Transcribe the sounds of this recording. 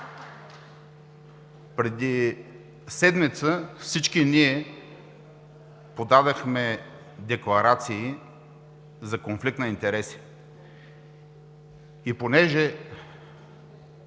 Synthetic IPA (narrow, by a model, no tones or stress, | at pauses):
pɾɛd̪i | sɛd̪mit̪səfsit͡ʃkiniɛ | pod̪ad̪əxmɛ | d̪ɛklˠɐɾat̪siː | zɐkonflik̚t̪nɐint̪ɛɾɛsi̥ | iponɛʒɛ